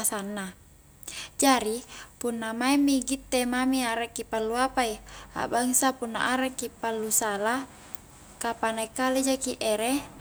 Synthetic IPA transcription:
sanːa | d͡ʒaɾipunːamaɛmːiɡit̪ːemamiaɾakːipalːuapaia̰baŋsapunːa̰ʔaɾakːipalːusala | kapanaikalid͡ʒakiʔɛɾe

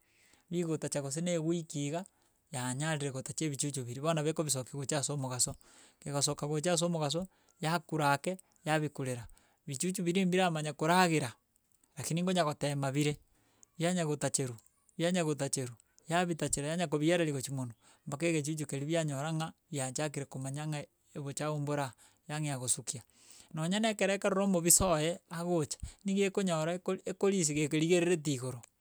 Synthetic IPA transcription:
βiɣotat͡ʃaɣos̬eneɣwikiɣa | jaɲaɾiɾeɣotat͡ʃeβit͡ʃut͡ʃuβiɾiβanaβekoβis̬okiɣot͡ʃasomoɣaso | keɣosokaɣot͡ʃas̬omoɣas̬o | jakuɾakɛ | jaβikuɾeɾa | βit͡ʃut͡ʃuβiɾimbiɾamaɲakoɾaɣeɾa | ɾakiniŋɡoɲaɣotemaβiɾe | βjaɲaɣotat͡ʃeɾu | βjaɲaɣotat͡ʃeɾu | jaβitat͡ʃeɾajaɲakoβieɾaɾiɣot͡ʃimono | mbak̬eɣet͡ʃ̬ut͡ʃukeɾiβjaɲoɾaŋaβjaɲt͡ʃak̬iɾekomaɲaŋa | eβot͡ʃaomboɾa | jaŋeaɣosukia | noɲanɛkeɾaekaɾoɾomoβisojɛaɣot͡ʃḁniɣiekoɲɔɾaekoɾis̬iɣekeɾiɣeɾeɾet̬iɣoɾo

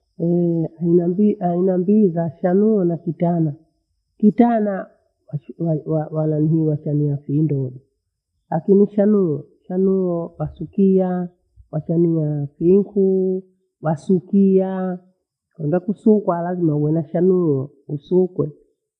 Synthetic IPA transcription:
ɛanabiʔainambizaʃanuɔnakitana | kitana | wawawawananiɦiwaʃaniafiːndɔɗi | lakiniʃanuɔ | ʃanuɔwasukia | wat͡ʃaniafiŋku | wasukia | kwɛndakusukwalazimauwɛnaʃanuɔ | usukwɛ

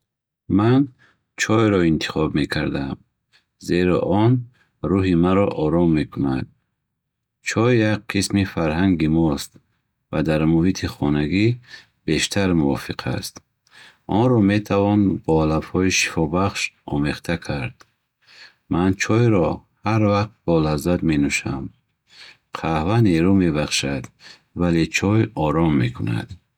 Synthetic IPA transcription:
man | t͡ʃʰɔjɾɔint̪ʰi̥χɔbme̞kʰaɾd̪am | zeɾɔ̰ʔɔn | ɾuɦimaɾɔʔɔɾɔmːe̞kʰuna̰d̪̚ | t͡ʃʰɔjjak̚qʰismifaɾɦaŋɡimɔst̪ | vad̪aɾmuhit̪ʰiχɔnaɡi | be̞ʃt̪ʰaɾmuɔ̰fiqʰa̰st̪ | ʔɔnɾɔme̞t̪ʰavɔnbɔalafhɔiʃi̥fɔbaχʃɔ̰meχt̪ʰakʰaɾd̪̥ | mant͡ʃʰɔjɾɔhaɾvaqt̪̚b̥ɔlazad̪menuʃa̰m | qʰahvaneɾumebaχʃad̪ | valet͡ʃʰɔjɔɾɔmːekʰuna̰d̪̥

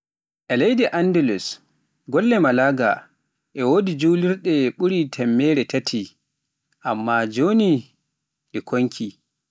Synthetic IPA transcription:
ʔɛlejdɛʔandɛlus | ɡɔlːɛmalaɡa | ʔɛwodid͡ʒuliɾɗɛɓuɾitʰɛmːɛːɾɛtʰatʰi | ʔamːad͡ʒoːni | ɗɛkʰoŋkʰi

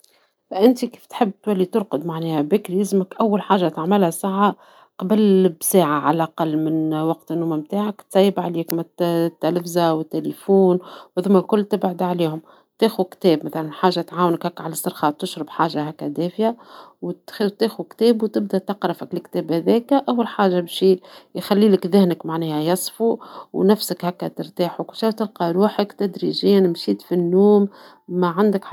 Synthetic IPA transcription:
fʔɪnt̪iki̥ːft̪ħɪbːt̪wælːit̪ʊɾqʊd̪maʕnɛːhæbɪkljɪzməkʔæwːælħaːʒːat̪aʕmɪlhæsaʕːa | qɑbəlbsaːʕaʕalʔɑqɑlːmɪnwɑq̚t̪nːuːmamt̪aːʕakt̪sɑjːɪbʕaliːkmæt̪ːælæfzawɪt̪ːelifuːnwðʊmːælkʊlːt̪ɪbʕʊd̪ʕaliːhʊm | t̪æːxukt̪ɛːbmæθalænħaːʒat̪ʕaːwnəkhækːʕalasˤːɑɾxɑt̪ɪʃɾɑbħaːʒaɦækːæd̪æːfjawt̪t̪eːxukt̪ɛːbwt̪ɪbd̪æt̪ɑqɾɪfɪklɪkt̪ɛːbhæðɛːkʔawːalħaːʒabʃijxælːiːlɪkðɪhnəkmaʕnɛːhæjɑsˤfuwnæfsəkhækːæt̪ɪɾt̪aːħuwkʊlʃæːt̪ɪlqɑɾuːħəkt̪æd̪ɾiʒiːnmʃiːt̪finːuːmː | aʕand̪ək

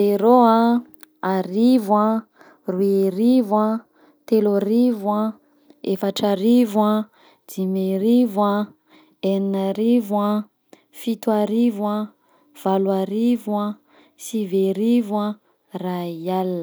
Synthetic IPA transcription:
eɾoa | aɾivwã | rueɾivwa | t̪eloɾivwã | efaʈ͡ʂaɾivwã | d͡zimeɾivwã | eninaɾivwã | fit̪uaɾivwã | v̥alwaɾivua | siveɾivwa | raialːə

